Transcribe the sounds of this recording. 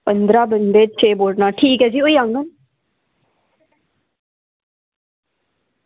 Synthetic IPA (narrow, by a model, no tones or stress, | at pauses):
pənd̪ɾaːbənd̪eːt͡ʃʰeːboːɖnaːʈʰiːkɦɛd͡ʒiːoiːãŋɡən